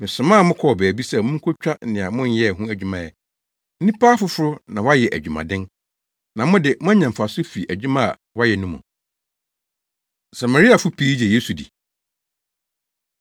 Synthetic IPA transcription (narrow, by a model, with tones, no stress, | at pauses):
mɪ̃˨sʊ̃˨mã˦˨mʊ̃˦kʰɔ˨bæː˨bi˦sɛ˦mʊ̃˦ŋ̩˦kʰo˦t͡ɕᶣa˦nɪ̃˨a˨mʊ̃˦n˦jɛ˦˨ɦũ˦æ˨d͡ʑᶣu˦mã˨jɛ˨ | n̩˦nĩ˦pʰaː˦fʊ˦fʊ˦ɾʊ˦nã˨wa˦jɛ˨ʔæ̰˨d͡ʑᶣu˨mã̰˨dɪ̃˦n | nã˨mʊ̃˦dɪ˨mʊ̃˦a˦ɲã˨m̩˨fa˨sʊ˦fi˨ʔæ˨d͡ʑᶣu˦mã˦a̰˨ | wa˦jɛ˨nũ˦mʊ̰̃˨ | sa˨ma˨ɾi˦a˨fʊ˦pʰi˦i˦d͡ʑɛ˨je˦su˨dḭ˨